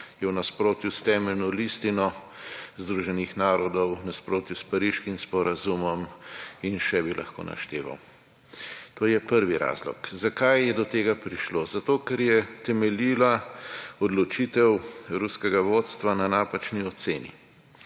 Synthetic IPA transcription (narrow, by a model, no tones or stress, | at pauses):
jɛwnaspɾoːt̪just̪ɛmɛlnɔlist̪inɔ | zd̪ɾuːʒɛnixnaːɾɔd̪ɔwnaspɾoːt̪juspaɾiʃkimspɔɾazumɔminʃɛbilʔa̰xko̰ːna̰ʃt̪ḛːʋa̰w | t̪oːjɛpəɾʋiɾa̰zlɔ̰kzakajːɛd̪ɔt̪eːɡapɾiʃloːzat̪oːkɛɾjɛt̪ɛmɛliːlaɔd̪lɔt͡ʃit̪ɛwɾuskɛɡaʋot̪st̪ʋananaːpat͡ʃniɔt̪sḛːnḭ